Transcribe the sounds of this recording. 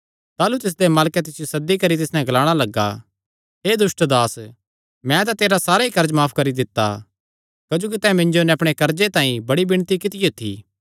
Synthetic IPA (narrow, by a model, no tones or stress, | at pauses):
t̪aːlut̪ɪs̬d̪emaːlkɛt̪̬ɪsɪjosɐd̪ːikɐɾit̪̬ɪsnɛ̃ɡɐlaːɽ̃alɐɡːa̰ | ɦeːd̪ʊsʈd̪aːs | mɛ̃t̪ãt̪eːɾasaːɾaikɐɾd͡ʒmaːpʰkɐɾid̪ɪt̪ːa̰ | kɐd͡ʒoːk̬it̪ɛ̃ːmɪ̃nd͡ʒonɛɐpɽ̃ekɐɾd͡ʒet̪ãːĩbɐɽibɪɽ̃t̪ikɪt̪ɪjot̪ʰḭː